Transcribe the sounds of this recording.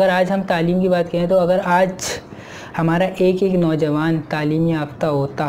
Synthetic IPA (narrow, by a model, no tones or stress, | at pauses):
ɐɡəɾaːd͡ʒɦɐmt̪aːliːmkibaːt̪kɐɦẽẽt̪oɐɡəɾaːd͡ʒ | hɐmaːɾaʔeːkeːknɔːd͡ʒɐʋaːnt̪aːliːmiaːpt̪aɦoːt̪a